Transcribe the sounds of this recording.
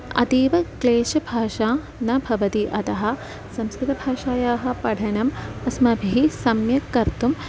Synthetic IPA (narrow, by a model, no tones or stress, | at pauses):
ɐ̰t̪iːʋɐkleːʃɐbʱaːʃaː | nɐbʱɐʋɐt̪iʔɐt̪ɐɦɐ̆ | sɐmskɾɪt̪ɐbʱaːʃaːjaːɦɐ̆pɐɽʱɐnɐmɐsmɐbʱiisɐmjɐkːɐɾt̪um